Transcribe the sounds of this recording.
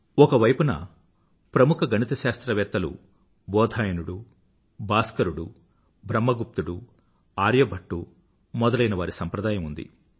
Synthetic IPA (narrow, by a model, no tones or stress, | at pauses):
ɔkɐʋɐjpunɐ̰ | pɾɐmukʰɐɡʱɐnit̪ɐʃaːst̪ɾɐʋɛːt̪ːɐlṵ | bɔːd̪ʱaːjɐnuɽu | baːskɐɾuɽu | bʱɾɐmːɐɡup̚t̪uɽu | aːɾjɐbʱɐʈːu | mɔd̪ɐlɐjnɐʋaːɾisɐmpɾɐd̪aːjɐmund̪ḭ